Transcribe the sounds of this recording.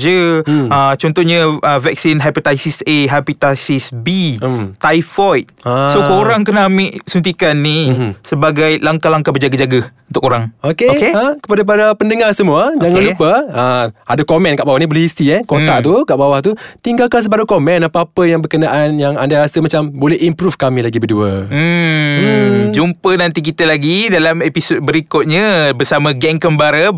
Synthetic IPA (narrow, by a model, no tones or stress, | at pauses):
d͡ʒəət͡ʃɔnt̪ɔhɲãəvɛk̚sinɦajpot̪ajsiseɦapit̪asisbit̪ajfɔjt̪̚asokoɾaŋkənamiʔsunt̪̬ikanːisəbaɡajlaŋkalaŋkabərd͡ʒaɡad͡ʒaɡaunt̪ʊkoɾaŋokekeakə̥padap̬adapəndəŋarsəmuad͡ʒaŋãnlupəəadakomɛ̃nkaʔbawahnibolɛhist̪iɛkot̪aʔt̪ukaʔbawaht̪ut̪iŋɡalkans̬əbaɾukomɛnapaːpəjaŋbərkənaʔanjaŋandaɾasəmat͡ʃambolɛɦimpɾufkamĩlaɡibərduəm̩ | d͡ʒumpənant̪ik̬it̪əlaɡidalamepisot̪̚bəɾikɔt̪̚ɲãbərsamãɡɛŋkəmbaɾə